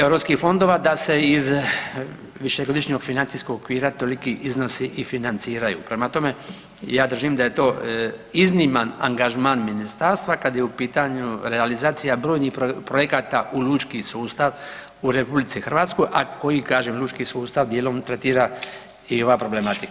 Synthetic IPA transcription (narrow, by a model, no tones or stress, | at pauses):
e̞wɾo̞pskixfo̞nd̪o̞ːʋad̪ase̞iz | ʋiʃeɡo̞d̪iʃɲoɡfinant̪isko̞ɡokʋiːɾat̪o̞likiʔizno̞siʔifinant̪siːɾajṵːpɾe̞mat̪o̞me̞ | jaːd̪r̩ʒimd̪aje̞t̪o̞ːiznimanaŋɡaʒmaːnminist̪aːɾst̪ʋakad̪jeupiːt̪aɲuɾealizaːt̪sijabɾo̞ːjnixopɾojekaːt̪aʔuluːt͡ʃkisuːst̪aʋ | uɾe̞publit̪sixrʋaːt̪sko̞jʔako̞jikaːʒemlʲˠuːt͡ʃkisuːst̪aʋd̪jelo̞mt̪ɾet̪iːɾa | io̞ʋapɾo̞ble̞mat̪ika